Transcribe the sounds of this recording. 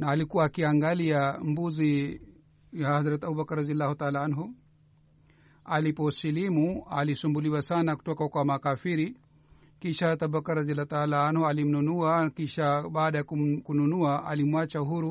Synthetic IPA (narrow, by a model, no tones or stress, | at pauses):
naːlikuwaːkiaŋɡaliambuzi | jahhazɾat̪ɛabubakarɾadialːahut̪aalaanɦu | alipɔsilimualisumbuliwasanaku̥tɔkakwamakafiɾi | kiʃat̪abakaɾradialːat̪aalaanhualim̩nunuakiʃaɓaːɗajakukununuaʔalimwat͡ʃaɦuɾu